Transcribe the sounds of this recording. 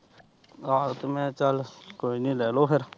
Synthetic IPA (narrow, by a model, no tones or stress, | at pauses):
aːt̪mẽːt͡ʃəlkoːiːnĩːlɛːloːpʰɪɾ